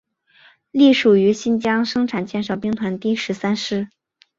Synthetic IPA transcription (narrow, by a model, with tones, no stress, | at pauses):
li˥˩ʂu˨˩y˧˥ɕi˥˧nt͡ɕjɑ˥ŋʂɤ˥ŋʈ͡ʂʰa˨˩nt͡ɕjɛ˥˧nʂɑ˥˩ʊpi˥ŋt̪ʰwa˧˥nt̪i˥˩ʂɻ̩˧˥sa˥nʂɻ̩˥˩